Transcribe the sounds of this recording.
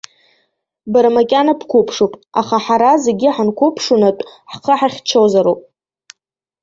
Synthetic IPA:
baɾamakʲʼanapʰkʷʰupʰʂopʼa̰χaħaɾazeɡʲiħankʷʰʊpʰʂunatʷʼħqʰəħaχʲt͡ʃʰowzaɾopʼ

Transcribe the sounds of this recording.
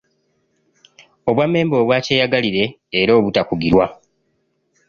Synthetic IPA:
o̞βwamːe̞ːmbo̞ːβwaːceːjaɡaliɾe̞ː | ɾo̞ːβutakuɡiɾwa

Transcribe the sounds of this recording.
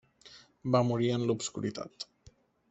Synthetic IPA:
bamuɾianlubskṵɾit̪a̰t̪

